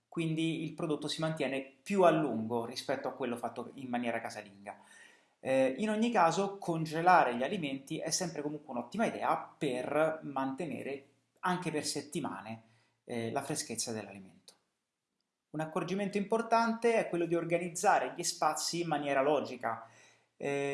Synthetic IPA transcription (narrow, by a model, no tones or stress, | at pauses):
kwind̪iilpɾod̪ot̪ːosimant̪jɛːnepjualːuŋɡorispɛt̪ːoakːwelːofat̪ːoimːanjɛːɾakazaliŋɡa | inoɲːikaːzokʰond͡ʒelaːɾeʎialiment̪iʔɛsːɛmpɾekomuŋkweunɔt̪ːimaid̪ɛ̰ːapermant̪enḛːɾe | aŋkeperset̪ːima̰ːne | lafɾesket̪sːad̪elːa̰limḛnt̪o̥ | unakːord͡ʒiment̪oimport̪ant̪eɛkːwelːod̪iorɡanid̪zːaːɾeʎispat̪sːiːmːanjɛːɾalɔːd͡ʒika | ɛ